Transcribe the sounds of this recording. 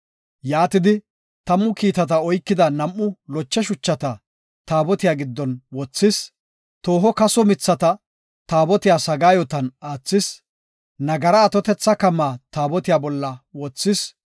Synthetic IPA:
jaːt̪ɪd̪ɪ | t̪ɐmːʊkiːt̪ɐt̪ɐɔjkːɪd̪ɐnɐmʔːʊlɔt͡ʃːɛʃʊt͡ʃːɐt̪ɐ | t̪aːbɔt̪ɪjaːɡɪd̪ːɔnwɔt͡sːɪs | t̪o̞ːɦɔkɐsɔmɪt͡sːɐt̪ɐ | t̪aːbɔt̪ɪjaːsɐɡaːjɔt̪ɐnaːt͡sːɪs | nɐɡɐɾɐːt̪ɔt̪ɛt͡sːɐkɐmːaːt̪aːbɔt̪ɪjaːbɔlːɐwɔt͡sːɪs

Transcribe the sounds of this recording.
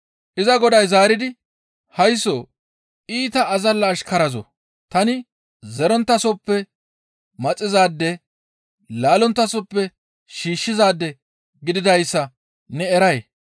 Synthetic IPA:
ʔɪzɐɡɔd̪ɐjzaːɾɪd̪ɪ | hɐjsːoː | ʔiːt̪ɐːzɐlːɐːʃkɐɾɐzɔ̰ | t̪ɐnɪ | zɛɾɔnt̪ːɐsɔpːɛ | mɐt͡sʼːɪzaːd̪ːɛ | laːlɔnt̪ːɐsɔpːɛ | ʃiːʃːɪzaːd̪ːɛ | ɡɪd̪ɪd̪ɐjsːɐ | nɛɛɾɐj

